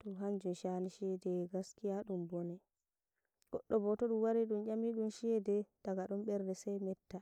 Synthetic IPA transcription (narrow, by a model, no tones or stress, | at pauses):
tɔɦaɲd͡ʒumʃaniʃiɛdɛɡaskijaɗumbɔnɛ | ɡ̥ɔɗːɔbɔtɔɗumwaɾɛɗumjamiɗumʃiɛdɛd̥aɡaɗɔmɓɛɾdɛsɛjmɛtːa